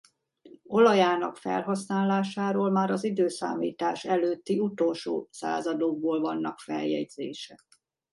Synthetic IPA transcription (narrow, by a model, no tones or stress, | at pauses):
o̞lɒjaːnɒ̰kfɛ̰lɦɒsnaːlːaːʃaːɾoːlmaːɾɒzid̪øːsa̰ːmḭːt̪aːʃɛløːt̪ːiut̪o̞lʃo̰ːsa̰ːzɒd̪oɡ̚boːlvɒnːɒkfɛ̰ljɛ̰ɟz̥eːʃɛ